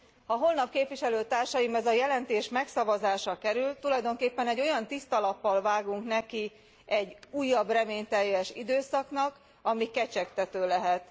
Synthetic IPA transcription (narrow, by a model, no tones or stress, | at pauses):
hɒɦo̞lnɒpkeːpʋiʃɛløːt̪aːrʃɒjimɛzɒjɛlɛnt̪eːʃmɛksɒvɒzaːʃɒkɛɾylt̪ulɒjd̪o̞ŋkeːpːɛnɛɟːo̞jɒnt̪ist̪ɒlɒpːɒlvaːɡuŋknɛki | ɛɟuːjːɒbrɛmeːɲt̪ɛjːɛʃḭd̪øːsɒknɒk | ɒmikɛt͡ʃɛkt̪ɛt̪øːlɛɦɛt̪